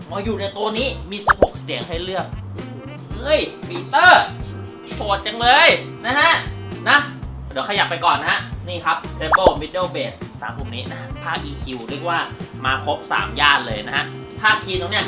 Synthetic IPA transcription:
ʔɔ˧˦juː˨˩na˧jt̪u˧ɐniː˦˥miː˧si˨˩p̚ho˨˩k̚ssi˨˩˦ŋɦa˥˩jlɯ˥˩ək̚ʔ | ʔɯː˧˥˩jfʰiː˧˩t̪ɤː˥˩ | su˨˩ət̪̚t͡ɕa˧ŋlɤː˧j | na˦˥ɦa˦˥ʔna˦˥d̪i˨˦wkʰa˧ja˨˩pːa˧jkɔː˨˩nːa˦˥ha˦˥ʔniː˥˩kʰa˦˥p̚t̪ʰɾe˧bɤ˥˩mi˦˥t̪̚deː˥˩beː˨˩ssa̰ː˩˦mhu˨˩k̚niː˦˥na˦˥ha˥pʰaː˥˩k̚ʔiː˧kʰi˧wɾɯ˥˩ək̚waː˥˩maː˧kʰo˦˥p̚sa̰ː˩˦mjaː˥˩nlɤː˧jna˦˥ha˦˥ʔ | pʰaː˥˩k̚kʰiː˧t̪o˧ŋni˦˥ɐə

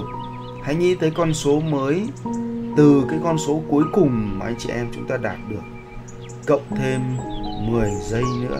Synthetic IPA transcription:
ha̰˧˨jŋḭ˧˥t̪ʰəː˨˦jkɔ˧nso˨˦məː˨˦j | t̪ɨ˨˩kaː˨˦jkɔ˧nso˨˦ku˨˦əjkʊ˨˩ŋ͡mmaː˨˩ʔa˧jŋ̟t͡ɕḭ˧˨ʔɛ˧mt͡ɕʊ˨˦ŋ͡mt̪aː˧ɗaː˨˩t̚ɗɨ˨˩ək̚ː | ə̰˧˨wŋ͡mt̪ʰe˧mmɨ˨˩əjzə˧jnɨ̰˧˥ə

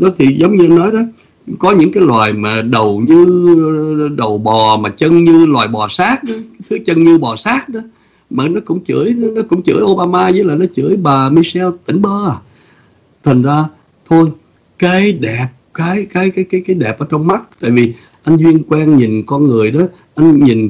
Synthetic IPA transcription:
ɗɔ˨˦t̪ʰi˨˩zə˨˦wŋ͡mɲɨ˧ʔa˧nːɔ˨˦jɗɔ˨˦ | kɔ˨˦ɲɨ̰˧˥ŋkaː˨˦jlwaː˨˩jmaː˨˩ɗə˨˩wɲɨ˧ | ɗə˨˩wɓɔ˨˩maː˨˩t͡ɕə˧nɲɨ˧lwaː˨˩jɓɔ˨˩saː˦˥t̚ɗɨ˨˦t̪ʰɨ˨˦ət͡ɕə˧nɲɨ˧ɓɔ˨˩saː˦˥t̚ɗɔ˨˦ | maː˨˩nɔ˨˦kʊ̰˧˥ŋ͡mt͡ɕɨ̰˧˩əjnɔ˨˦kʊ̰˧˥ŋ͡mt͡ɕɨ̰˧˩əjʔo˧ɓaː˧maː˧zə˧˦laː˨˩nɔ˨˦t͡ɕɨ˧˩əjɓaː˨˩mi˧sɛ˧wt̪ï˧˩˦ŋ̟ɓəː˧ʔaː˨˩ | t̪ʰa˨˩ŋ̟zaː˧ | t̪ʰo˧j | kaː˨˦jɗɛ˨˩p̚kaː˨˦jkaː˨˦jkaː˨˦jkaː˨˦jkaː˨˦jɗɛ˨˩p̚ʔəː˧˦t͡ɕɔ˧wŋ͡mma˦˥t̚t̪a̰ː˧˨jvi˨˩ | ʔa˧jŋ̟zwi˧ənkwɛː˧nɲi˨˩nkɔ˧nŋɨ˨˩əjɗɔ˨˦ | ʔa˧jŋ̟ɲi˨˩n

